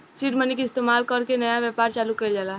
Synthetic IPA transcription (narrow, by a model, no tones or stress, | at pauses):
siʈmənikɪst̪emalkəɾkenəjaʋjɛpaɾt͡ʃalukəjld͡ʒala